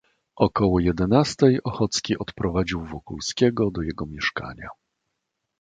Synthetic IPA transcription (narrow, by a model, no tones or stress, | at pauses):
ʔɔkɔwɔjɛd̪ɛnast̪ɛjɔxɔt̪skʲiʔɔt̪pɾɔvad͡ʑiwvɔkulskʲɛɡɔd̪ɔjɛɡɔmʲjɛʂka̰ɲa̰